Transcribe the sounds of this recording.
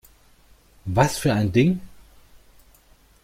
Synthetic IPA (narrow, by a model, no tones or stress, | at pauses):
vasfyːɐaɪndɪŋ